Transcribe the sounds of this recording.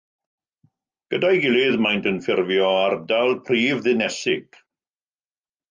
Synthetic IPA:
ɡ̥ədajɡɪlˠɪðmajntʰənfɪrvjɔardalˠpʰriːvðɪnɛsɪɡ̥

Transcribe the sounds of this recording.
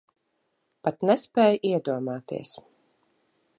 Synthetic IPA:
pat̪nɛspɛːjʔiɛd̪uɔmaːt̪ḭɛs

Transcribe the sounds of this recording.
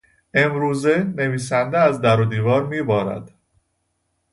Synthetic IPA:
e̞mɾuːzene̞viːs̬ænd̪eæzd̪æɾod̪iːvɒːɾmiːbɒːɾæ̰d̪̥

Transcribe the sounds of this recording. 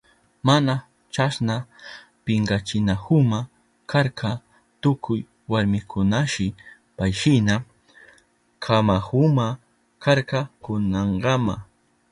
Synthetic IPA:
mana | t͡ʃasna | pɪɴɢɑt͡ʃɪnahʊma | kʰaɾka | t̪ʊkʰʊj | waɾmɪkʰʊnaʃɪ | pajʃɪna | kʰamahʊma | kaɾkɑkʊnɑɴɢɑma̰

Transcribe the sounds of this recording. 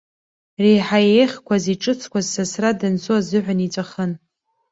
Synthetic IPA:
rejħajeχʲkʷʰaziʈ͡ʂʼɨt͡sʰkʷʰazsasradɨnt͡sʰʼuazɨħʷᶣanit͡sʷʼaχən

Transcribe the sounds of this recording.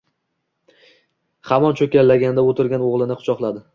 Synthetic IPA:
hamɒnt͡ʃʰɵkʲalːaɡʲanɪd̪aot̪ʰɪɾɡʲanoʁlˠɪnɪqʰʊ̥t͡ʃʰɒqlˠad̪ɪ

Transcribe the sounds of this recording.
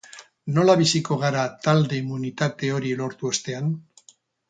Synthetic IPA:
no̞laβisiko̞ɣ̞aɾat̪ald̪e̞imːunit̪at̪e̞o̞ɾilo̞ɾt̪uost̪e̞an

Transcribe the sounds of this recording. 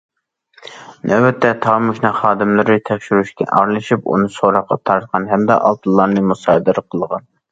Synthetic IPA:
nʔɛwɛt̪ʰːɛt̪ʰɑːmuʃnɑχɑːd̪ɨmlˠɨɾɨt̪ʰɛkʲʃyɾyʃkʲɛ̰ʔɑɾlˠɨʃipṵnɨsoɾɑqʰːɑ̰t̪ʰɑɾt̪̚qʰɑnɦɛmd̪ɑʔɑ̰lˠt̪ʰɨlˠːɑɾnɨmusɑːd̪ɨɾəqʰəlˠəʁɑn

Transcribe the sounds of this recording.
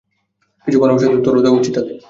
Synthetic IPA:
kit͡ɕʰukɔnobaʃ̬ed̪ɾut̪ːoɾod͡ʑ̪aut͡ɕit̪ːat̪e

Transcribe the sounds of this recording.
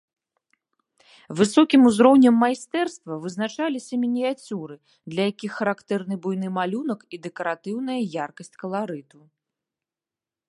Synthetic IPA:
vɨsɔkʲimuzɾɔwnʲɐmːajst̪ɛrst̪vɐvɨznat͡ʂalʲisʲɐmʲinʲijat͡sʲuɾɨ | d̪lʲɐjakʲixːɐɾakt̪ɛrn̪ɨbujnɨmalʲunɐkid̪ɛkɐɾat̪ɨwn̪ɐjɐjarkɐsʲt͡sʲkɐlˠaɾɨt̪u

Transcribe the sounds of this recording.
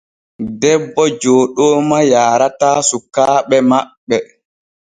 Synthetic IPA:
dɛbːɔd͡ʒoːɗɔːmajaːɾataːsukːaːɓɛmaɓːɛ

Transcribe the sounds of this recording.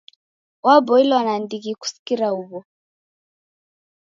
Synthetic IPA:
wabɔilwanandiɣiku̥si̥kiɾauβɔ

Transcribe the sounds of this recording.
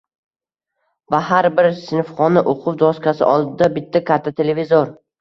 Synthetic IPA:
vaɦaɾbɪɾsɪnfχɒnɪʔoqʰʊwd͡ʒ̪ɒskʲʰasɪ̰ʔɒlˠd̪ɪd̪abɪt̪ʰːakʰʲat̪ʰːat̪ʰe̞levizoɾ

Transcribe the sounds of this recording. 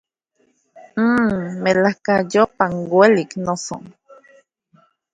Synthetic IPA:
melahkajopaŋɡweliknoso̰ŋ

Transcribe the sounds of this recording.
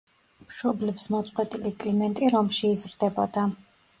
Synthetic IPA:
mʃɔblɛpsmɔt̪sʼqʼwɛt̪ʼilikʼlimɛnt̪ʼiɾɔmʃiːzɾd̪ɛbɔd̪a

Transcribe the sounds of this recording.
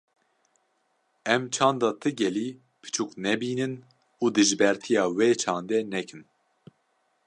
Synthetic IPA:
ɛmt͡ʃʰɑ̃ːnd̪ɑːt̪ʰɨɡɛliː | pʰɨ̥t͡ʃʰuknɛbiːnɨn | uːd̪ɨʒbɛɾt̪ʰijɑːweːt͡ʃʰɑːnd̪ɛnɛkʰɨn

